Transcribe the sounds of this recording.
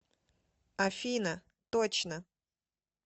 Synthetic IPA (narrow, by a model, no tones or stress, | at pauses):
ɐfʲinə | t̪ot͡ɕnə